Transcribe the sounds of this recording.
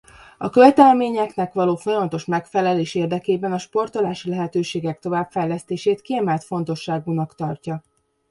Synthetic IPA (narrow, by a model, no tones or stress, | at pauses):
ɒkøvɛt̪ɛlmeːɲɛknɛkʋɒloːfo̞jɒmɒt̪o̞ʃmɛkfɛlɛleːʃeːrd̪ɛkeːbɛnɒʃpo̞rt̪o̞laːʃilɛɦɛt̪øːʃeːɡɛk̚t̪o̞vaːbfɛjlɛst̪eːʃeːt̪kiɛmɛlt̪fo̞nt̪o̞ʃːaːɡunɒkt̪ɒrcɒ